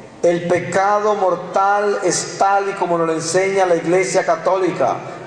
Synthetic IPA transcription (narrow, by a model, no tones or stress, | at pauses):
elpekaðomoɾt̪alest̪alikomonolenseɲalaiɣlesjakat̪olika̰